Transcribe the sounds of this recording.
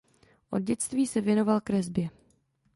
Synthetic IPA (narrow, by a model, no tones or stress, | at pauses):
ʔo̞d̚ɟɛt͡st̪viːsɛvjɛno̞valkɾɛzbjɛ